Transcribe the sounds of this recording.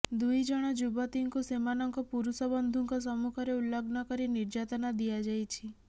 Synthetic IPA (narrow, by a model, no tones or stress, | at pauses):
d̪ujd͡ʒɔɽ̃ɔd͡ʒubɔt̪iŋkusemanɔŋkɔpuɾusɔbɔnd̪ʱuŋkʰɔs̬ɔmukʰɔɾeulːɔɡnɔkɔɾiniɾd͡ʒat̪ɔnad̪ijad͡ʒajt͡ʃʰi